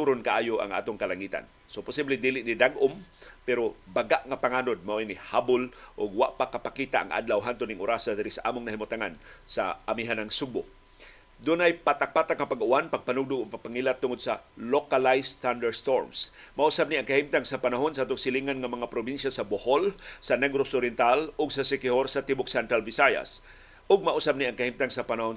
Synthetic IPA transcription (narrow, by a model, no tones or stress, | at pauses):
t̪uɾonkaʔaːjoʔa̰ŋʔa̰ːt̪ʊŋkɐlaŋiːt̪a̰n | sopʊsiblɛd̪ilɪʔnid̪aɡʔʊmpɛɾobaɡaʔŋapaŋanod̪̚maʔajnihabʊlʔʊɡwa̰ʔpakapakiːt̪aʔa̰ŋʔa̰d̪lawɦant̪ʊnɪŋʔʊɾasad̪ɪɾɪsaʔaːmʊŋnɐhimʊt̪aŋansa̰ʔamiɦanaŋsuɡʊ | d̪ʊnajpat̪ak̚pat̪akŋapaɡʔʊanpaɡ̚panʊɡ̚d̪ʊʔʊɡ̚papaŋilat̪ːʊŋod̪̚salokalajsθand̪ɛɹst̪oɹmsmaʔusab̚niʔaŋkahimt̪aŋsapanaɦonsat̪ʊɡsɪliŋanŋamɐŋapɾobinʃasaboholsɐnɛɡɾosʊɾjɛnt̪alʊɡsasɪkɪhoɾsɐt̪ibʊk̚sɛnt̪ɾalvɪsaja̰s | ʊɡ̚maʔusab̚niʔaŋkahimt̪aŋsapanahon